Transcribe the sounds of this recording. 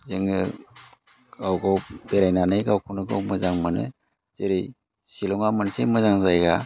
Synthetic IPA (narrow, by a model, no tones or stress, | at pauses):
zɯŋɯ | ɡawɡawbeɾajnanɯjɡawkʰunɯɡa̰wmɯzaŋmɯnɯ̰ | z̥eɾɯj | silɔŋamɯnsemɯzaŋzajɡa